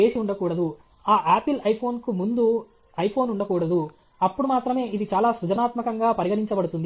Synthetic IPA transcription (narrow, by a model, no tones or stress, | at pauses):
e̞ːsiuɳɖɐkuːɽɐd̪u | aːʔaːpilɐjpʰo̞ːnkumund̪u | ɐjpʰo̞ːnuɳɖɐkuːɽɐd̪u | ɐpːuɽumaːt̪ɾɐme̞ːʔid̪it͡ʃaːlaːsud͡ʒɐnaːt̪mɐkɐŋɡaːpɐɾiɡɐɽiɲt͡ʃɐbɐɽut̪und̪i